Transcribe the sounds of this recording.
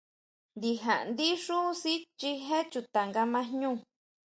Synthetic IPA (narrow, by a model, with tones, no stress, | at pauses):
nd̪i˧ɦa˨ʔnd̪i˦ʂu˦si˦t͡ʃi˧ɦe˦t͡ʃu˧t̪a˨ŋɡa˧mã˧˦ɲũː˦˨